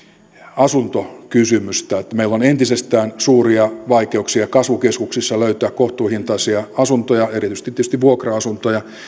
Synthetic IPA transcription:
ɑsunt̪okysymyst̪æet̪ːæmeilːonent̪isest̪æːnsuːriɑʋɑikeuksiɑkɑsʋukeskuksisːɑløyt̪øːkkoht̪uːhint̪ɑisiɑɑsunt̪ojɑerit̪yst̪it̪ːety̥st̪iʋʋuokrɑɑsunt̪ojɑ

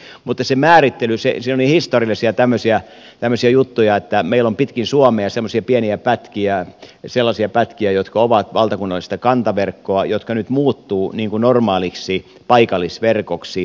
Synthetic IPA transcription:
mut̪ːɑsemæːrit̪ːelysḛsinolihist̪oriɑlˑisiɑt̪æmːøsiæ | t̪æmːøsiɑjut̪ːujɑet̪ːæmeilːompit̪kinsuɑmˑeɑsemːosiɑpiæniæpæt̪kiæselːɑsiɑpæt̪kiæjot̪kɑoʋɑt̪ʋɑlt̪ɑkunːɑlːˑist̪ɑkɑnt̪ɑʋerkːoɑjot̪kɑnyt̪muːt̪ːuːniːŋkunormɑːliksi | pɑikɑlːˑisʋerkoksi

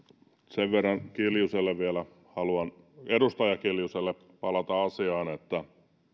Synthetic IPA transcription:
t̪seʋʋerːɑŋkiljuselːeʋʋiælæ | hɑluɑn | edust̪ɑjɑkiljuselːe | pɑlɑt̪ɑɑsiɑːnet̪ːæ

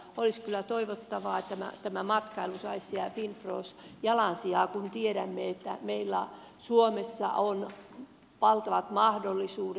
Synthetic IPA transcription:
oliskylːˑæt̪oiʋot̪ːɑʋɑːet̪t̪ːæmæ̰t̪æmæmɑt̪kɑilusɑissiæpinproːsjɑlɑnsiɑːkunt̪ieɾæmːeet̪ːæmeilːæ | suomesːɑ̰ʔon | pɑlt̪ɑʋɑt̪mɑhdolːisuːd

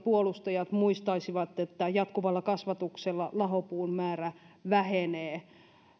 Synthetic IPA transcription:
puolust̪ɑjɑt̪muist̪ɑisiʋɑt̪ːet̪ːæjɑt̪kuʋɑlːɑkɑsʋɑt̪ukselːɑlɑɦopuːnmæːræ | ʋæheneː

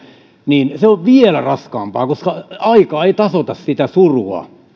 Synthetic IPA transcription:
niːnseoʋʋielærɑskɑːmpɑːkoskɑɑikɑːeit̪ɑsot̪ɑssit̪æsuruɑ̰

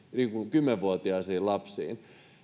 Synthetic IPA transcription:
niːŋkukymːeʋʋuot̪iɑsiːllɑpsḭːn

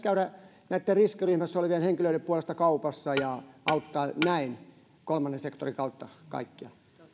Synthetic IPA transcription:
kæyɾæ | næit̪ːeriskiryhmæsːoliʋielheŋkiløieppuolest̪ɑkɑupɑsːɑjɑɑut̪ːɑːnæin | kolmɑnːensekt̪o̰rikɑut̪ːɑkɑ̰ikːiɑ

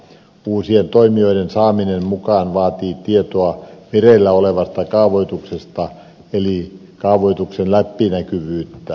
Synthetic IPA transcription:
uːsient̪oimioidensɑːminemmukɑːnʋɑːt̪iːt̪iet̪oɑmerelːæoleʋɑst̪ɑkɑuʋoit̪uksest̪ɑ | eli | kɑuʋoit̪uksenlæpːinækyʋyːt̪ːæ

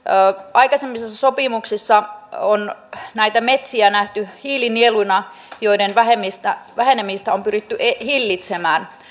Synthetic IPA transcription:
ɑjkɑsemːisesːæso̞pimuksisːɑonnæit̪æmet̪siænæht̪yhiːlinielujnɑ | jo̞idenʋæɦemːist̪æʋæɦenemːist̪æompyrit̪ːyʔehilːit̪semæːn

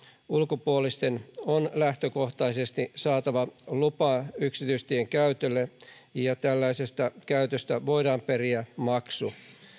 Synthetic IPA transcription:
ulkopuolist̪enonlæht̪øko̞ht̪ɑise̞st̪isɑːt̪ɑʋɑlupɑːyksit̪yist̪ieŋkæyt̪ølːejɑt̪ælːæisest̪ɑkæyt̪øst̪æʋo̞jdɑːmperiæmɑksu

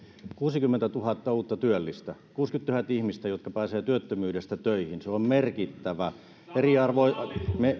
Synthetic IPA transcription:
kuːsikymːent̪æt̪uhɑt̪ːɑuːt̪ːɑt̪yølːist̪ækuːskyt̪t̪uhɑt̪ihmist̪æjot̪kɑpæːseːt̪yøt̪ːømyːdest̪æt̪øihinseommerkit̪ːæʋæ | eriɑrʋoime

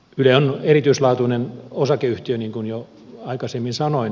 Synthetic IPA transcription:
yleonerit̪yislɑːt̪unenosɑkeyht̪iøniːŋkunjo | ɑikɑsemːinsɑnoin

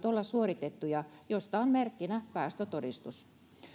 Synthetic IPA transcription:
t̪olːɑsuorit̪et̪ːujɑjost̪ɑonmerkːinæpæːst̪øt̪odist̪us

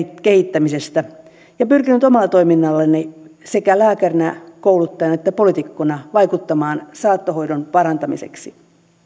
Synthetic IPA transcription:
kehit̪ːæmisest̪æ | jɑpyrkinyt̪omɑlːˑt̪o̞iminːɑlːenːisekælæːkærinækoulut̪ːɑjɑnɑet̪ːæpolit̪ikːonɑʋɑjkut̪ːɑmɑːnsɑːt̪ːoho̞idonpɑrɑnt̪ɑmḭsḛksi

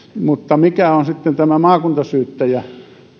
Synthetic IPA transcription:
mut̪ːɑmikæonsit̪ːent̪æmæmɑːkunt̪ɑsyːt̪ːæjæ

